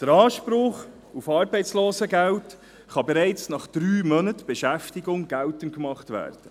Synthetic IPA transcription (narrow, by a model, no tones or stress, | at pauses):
d̥əɾɑːʃpɾʊχ | ufɑːɾbɛɪt͡ssloːsəɡæwt | χɑbɛɾɛɪt͡snɑχd̥ɾyːmœnətb̥ɛʃæftɪɡʊŋɡ̥æltənkmɑχtʋæ̰ːɾd̥ə